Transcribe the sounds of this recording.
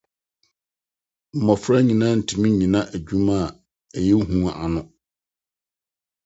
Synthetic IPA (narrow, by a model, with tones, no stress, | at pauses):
m̩˨mɔ˨fɾa˦ɲĩ˨nã˦n̩˨tʰi˨mĩ˦ɲĩ˨nã˦ʔæ˨d͡ʑᶣũ˦mã˦˨ | ɛ˨jɛ˦ɦũ˦a̰˨nʊ̃˦